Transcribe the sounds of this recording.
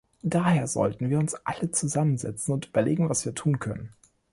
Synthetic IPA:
d̥aːheːɐzɔ̰ltn̩viːɐʊnsʔa̰lət͡suzamənzɛ̰t͡sn̩ʊntʔyːbɐleːɡŋ̩vasv̥iːɐtʰuːnkʰœnən

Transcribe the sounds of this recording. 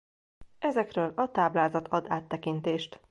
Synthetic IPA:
ɛzɛkrøːlɒt̪aːblaːzɒt̪ʰɒd̪aːt̪ːɛkint̪eːʃt̪

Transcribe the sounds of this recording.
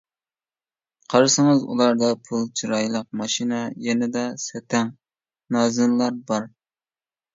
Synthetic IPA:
qʰɑɾɨsɨŋɨzṵlˠɑɾd̪ɑpʰulˠt͡ʃʰiɾɑjlˠəq̚mɑʃinɛjɛnɪd̪ɛsɛt̪ʰɛŋ | nɑːzɨnlˠɑɾbɑɾ

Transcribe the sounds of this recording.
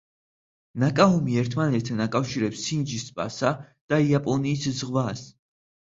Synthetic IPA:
nakʼaumiɛɾt̪ʰmanɛt̪̚ʰt̪ːʰanakʼafʃiɾɛpsind͡ʒispʼa̰sa | d̪̥aiapʼɔniːszʁwas

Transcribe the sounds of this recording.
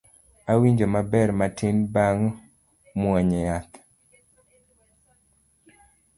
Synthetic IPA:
awiɲd͡ʒomabɛrmatʰinbaŋ | mwɔɲɛjat̪

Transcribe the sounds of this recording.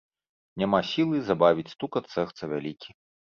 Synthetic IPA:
nʲamasʲilˠɨzabavʲit͡sʲst̪ukɐt̪sɛxt̪sɐvʲalʲikʲi

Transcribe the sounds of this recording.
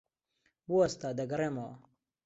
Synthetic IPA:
buɐst̪aːd̪ɐɡɐɾemo

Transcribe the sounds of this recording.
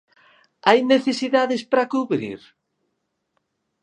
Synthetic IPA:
ajneθesiðaðɪspɾakuβɾḭɾ

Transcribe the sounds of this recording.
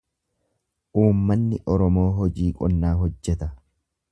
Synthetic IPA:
ʔuːmːɐnːɪʔɔɾɔmo̞ːɦɔd͡ʒiːkʼɔnːaːɦɔd͡ʒːɛt̪ɐ

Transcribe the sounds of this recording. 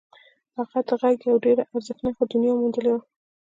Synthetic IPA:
aɣad̪əɣaɡjawɖeɾaʔaɾzəxnaxod̪ʊnjɑmund̪əlewa

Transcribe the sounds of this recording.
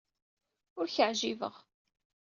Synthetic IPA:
ʊɾçəʕʒivə̰ʁ

